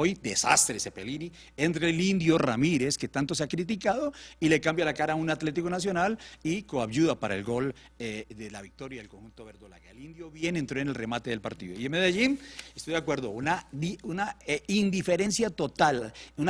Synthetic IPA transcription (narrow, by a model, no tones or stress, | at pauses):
ojd̪esa̰st̪ɾesepelini | ent̪ɾelind̪jo̞ramiɾe̞ske̞t̪ant̪o̞s̬eakɾit̪̬ikaðo̞ile̞kambjalakaɾaːunat̪le̞t̪̬iko̞nas̬jo̞nalikoaβjuðapaɾaelɡo̞l | eðelaβik̚t̪o̞ɾjaðelkonxunt̪o̞βeɾd̪ola̰ɣaelind̪joβje̞nent̪ɾo̞ene̞lre̞mat̪e̞ðe̞lpaɾt̪iðo̞ienmeðjaʝinest̪o̞jd̪akwe̞ɾðounadiunaind̪ife̞ɾe̞nsjat̪o̞t̪alun